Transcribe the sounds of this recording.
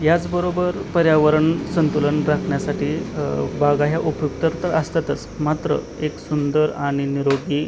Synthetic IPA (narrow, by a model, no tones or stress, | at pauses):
jat͡sbəɾobəɾpəɾjaʋəɾəɳsənt̪uləɳɾakʰɳjasaʈiːbaɡaɦjaʔupjukt̪əɾt̪əɾəst̪at̪ət͡smat̪ɾə̰ | eksund̪əɾaɽ̃iniɾoɡiː